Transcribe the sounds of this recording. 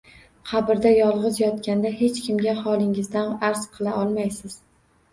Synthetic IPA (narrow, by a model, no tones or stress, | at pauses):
qʰɑbɪɾd̪ajɒlˠʁɨzjɒt̪kʲand̪ahe̞t͡ʃkʲɪmɡʲahɒlˠɪŋɪzd̪anaɾz̥qʰɨlˠaɒlˠmajsɪz̥